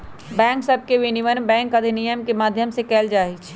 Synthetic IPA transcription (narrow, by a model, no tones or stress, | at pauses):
bɛ̃ŋksəb̚ʱkeʋiniʋənbɛ̃ŋkəd̪ʱinijəmkemad̪ʱjəmsekɛːld͡ʒaɦɛt͡ʃʰ